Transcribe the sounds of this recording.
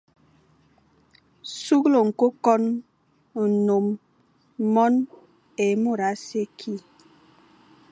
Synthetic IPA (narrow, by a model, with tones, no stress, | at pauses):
su˦ɣlo˨ŋ̩˨ko˦kɔ˦n | n̩˨no˨m˦ | mɔ˦n | e˨mo˦˨ɾa˨˦se˦kʰi˦